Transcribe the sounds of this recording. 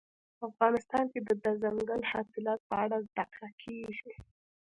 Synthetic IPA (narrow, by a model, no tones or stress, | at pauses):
afɣɑnɪst̪ɑnked̪əd̪azaŋɡəlhɑsɪlɑt̪̚pəaɽazd̪aqlakʰeʒi